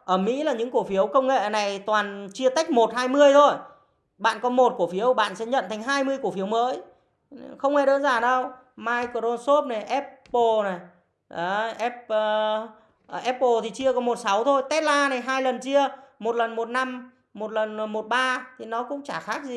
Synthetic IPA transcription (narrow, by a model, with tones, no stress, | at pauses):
ʔəː˧˩mḭ˧˥laː˨˩ɲɨ̰˧˥ŋku˧˩əfi˨˦əwkə˧wŋ͡mŋḛ˧˨na˨˩jt̪waː˨˩nt͡ɕi˧ət̪a˦˥k̟̚mo˨˩t̚haː˧jmɨ˧əjt̪ʰo˧j | ɓa̰ː˧˨nkɔ˨˦mo˨˩t̚ku˧˩əfi˨˦əwɓa̰ː˧˨nsɛ̰˧˥ɲə̰˧˨nt̪ʰa˨˩ŋɦaː˧jmɨ˧əjku˧˩əfi˨˦əwməː˨˦j | xə˧wŋ͡mŋɛ˧ɗə˨˦nzaː˨˩nə˧w | maː˧jko˧˩o˧nso˦˥p̚na˨˩jʔɛ˦˥pːo˧˩na˨˩j | ʔaː˨˦ʔɛ˦˥p̚ː | ʔʔɛ˦˥p̚ːo˧˩t̪ʰi˨˩t͡ɕi˧əkɔ˨˦mo˨˩t̚sa˨˦wt̪ʰo˧jt̪ɛ˦˥t̚laː˧na˨˩jɦaː˧jlə˨˩nt͡ɕi˧əmo˨˩t̚lə˨˩nmo˨˩t̚na˧mː | o˨˩t̚lə˨˩n˩mo˨˩t̚ɓaː˧t̪ʰi˨˩nɔ˨˦kʊ̰˧˥ŋ͡mt͡ɕaː˧˩xaː˦˥k̚zi˨˩